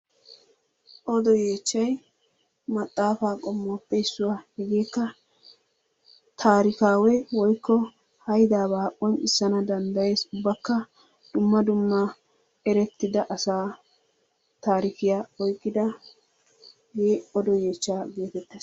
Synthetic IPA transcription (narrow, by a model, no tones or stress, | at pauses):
ʔɔd̪ɔje̞ːt͡ʃːɐj | mɐt̪ʼːaːfaːkʼɔmːoːpːɛjsːʊwaːhɛɡeːkːɐ | t̪ʰaːɾɪkaːwɛwɔjkːɔ | hɐjd̪aːbaːʔɔnɪsːɐnɐd̪ɐnd̪ɐje̞ːsʊbːɐkːɐ | d̪̥ʊmːɐd̪ʊmːɐ | ɛɾɛt̪ːɪd̪ɐʔɐsaː | t̪aːɾɪkɪjaɔjkʼːɪd̪ɐ | jeːɔd̪ɔjeːt͡ʃːaːɡe̞ːt̪ɛt̪ːeːs